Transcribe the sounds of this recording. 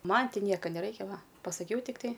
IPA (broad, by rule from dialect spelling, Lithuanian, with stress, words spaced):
ˈmɐn ˈtʲɪ ˈnʲiɛkɐ nʲɛˈrɐɪkʲɛ ˈʋɐ pɐsɐˈkʲɛʊ tʲɪkˈtɐɪ